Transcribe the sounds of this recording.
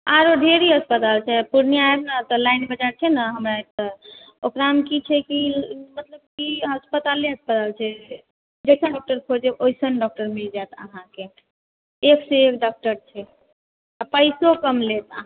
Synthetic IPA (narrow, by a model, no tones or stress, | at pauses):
aɾoɖʱeɾiɦəspət̪alt͡ʃʰɛpuɾniaebnət̪ɔlajnbəd͡ʒaɾt͡ʃʰɛnəɦəmɾaek̚t̪ə | okɾamkit͡ʃʰɛkimət̪ləb̚kiɦəspət̪aleɦəspət̪alt͡ʃʰɛ | d͡ʒesə̃ɖɔk̚ʈəɾkʰod͡ʒeojsənɖɔk̚ʈəɾmild͡ʒat̪ə̰ɦãke | ekseekɖɔk̚ʈəɾt͡ʃʰɛ | apəjsokəmlet̪əɦ